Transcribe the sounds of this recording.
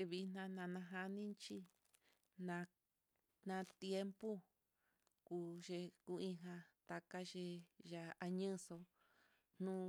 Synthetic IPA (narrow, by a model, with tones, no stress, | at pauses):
e˧βi˧nã˧nã˧nã˧ɦa˧nĩ˦nt͡ʃi˦ | nã˧ | nã˧t̪je˦mpu˦ | ku˧ʒe˧ku˧ĩ˧ɦã˧t̪a˧ka˦ʒe˧ʒa˧a˧ɲɨ̃˦so˧ | n̥nũ˦